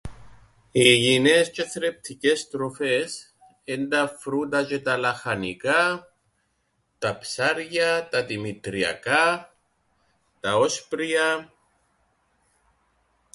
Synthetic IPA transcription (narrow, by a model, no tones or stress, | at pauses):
iʝine̞sce̞θɾe̞p̚t̪ʰice̞st̪ɾo̞fe̞s | end̪ɐfɾut̪ɐcet̪ɐlɐxɐnikɐ | t̪ɐpsɐɾʝɐt̪ɐðimit̪ɾiɐ̰kɐ | t̪ɐo̞spɾiɐ